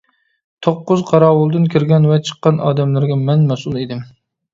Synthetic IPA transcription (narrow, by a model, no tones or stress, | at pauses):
t̪ʰoqːʊzqʰɑɾɑːwʊlˠd̪ɨnkʲʰɪɾɡʲɛnvɛt͡ʃʰə̥qːɑnɑ̰ːd̪ɛmlɪɾɡʲɛmɛnmɛsulˠed̪ɪm